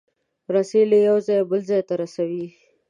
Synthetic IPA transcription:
ɾaselejawzɑjbəlzɑjt̪aɾasawi

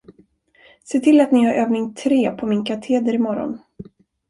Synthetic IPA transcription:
seːt̪ʰɪlːat̪nɪhaɾʔøːvnɪŋt̪ʰɾeːpʰɔmɪŋkʰat̪ʰeːd̪əɾɪmɔɾɔ̰n

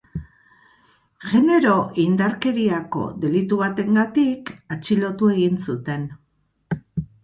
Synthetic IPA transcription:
ʝe̞ne̞ɾo̞ʔind̪aɾke̞ɾiako̞̰d̪e̞lit̪uβat̪e̞ŋɡat̪ikat͡ʃilo̞t̪ue̞ɣinsut̪e̞n

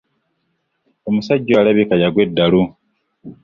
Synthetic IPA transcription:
o̞musaɟːoalaβikajaɡwe̞dːalu

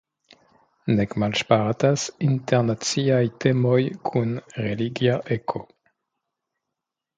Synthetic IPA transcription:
nekmalʃpaʁatasinteʁnat͡siajtemojkʰunʁeliɡjaʔekʰo

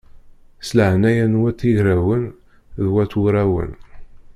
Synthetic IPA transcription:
sləʕnæjænwæt̪ːiʝɾæwən | ðwæt̪ːuɾæwə̰n

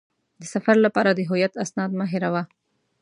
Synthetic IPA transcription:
d̪əsafaɾlapɑɾad̪əɦʊjat̪asnɑd̪maɦɪɾawa

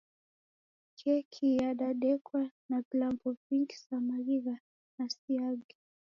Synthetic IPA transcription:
kɛkʰijaɗaɗɛkwanapilambɔviŋɡi̥samaɾiɣa | nasiaɡi

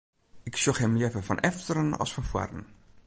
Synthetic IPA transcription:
ɪksoxhɛmlɛvəfɔ̰nʔɛftəɾənɑ̰sfɔnfwa̰rən̩

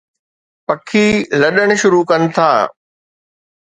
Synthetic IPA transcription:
pɐkʰiːlɐɗəɽ̃̆ʃʊɾukɐnɪ̆t̪ʰaː

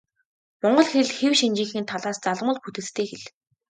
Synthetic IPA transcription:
mɔɴɢɞ̆ɮxeɮxewʃint͡ɕĭŋxiːnt̪ʰaɮaːst͡saɮmə̆ɮput̪ɘ̆t͡st̪ʰeːxeɮ

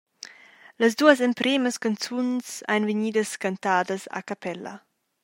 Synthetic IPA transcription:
ləs̬d̪uːəs̬ɛmpɾeːməskant͡sunsa̰jnveɲiːdəskant̪aːdəsa̰kapɛlɐ̰

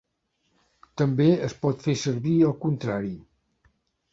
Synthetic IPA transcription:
t̪əmbeəspɔt̪fesəɾβiəlˠkunt̪ɾaɾi

